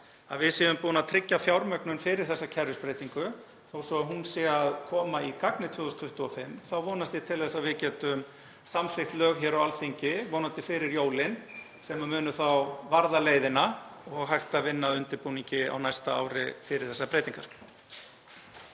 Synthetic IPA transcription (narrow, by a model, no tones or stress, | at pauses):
a̰ðvɪðsɛːðʏmpuːnat̪ʰɾɪcːafjawɾmœknʏnfɪɾɪɾ̥θɛsːacʰɛɾʏspɾeːjt̪iŋkʏ | θawsɔaɦunsɛaðkʰɔːmaikaknɪt̪ʰvʏːðʏst̪ʰʏht̪uɔfɪmθawvoːwnast̪ɪt̪ʰɪlθɛsːaðvɪcɛːt̪ʏm | samslɪxt̪lœːɣçɛːɾawalθiɲcɪvoːwnant̪ɪfɪːɾɪɾjoːwlɪn | sɛmamʏːnʏθawvaɾðaleːjðɪnaɔɣɦajxt̪avɪnːaðʏnt̪ɪɾpuniɲcɪa̰wnajst̪aa̰ːwɾɪ̰fɪɾɪɾ̥θɛsːapɾejt̪iŋkaɾ̥